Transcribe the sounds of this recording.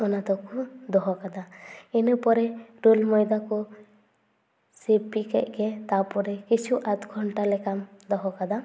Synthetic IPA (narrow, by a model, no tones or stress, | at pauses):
ɔnat̪ɔkud̪ɔɦɔkad̪aenupɔɾɛɾulmɔjd̪aku | sepikɛ̰ʔ̚ˀɡɛt̪apɔɾɛkit͡ʃʰuʔat̪ɡʱɔɳʈalɛkamd̪ɔɦɔkad̪a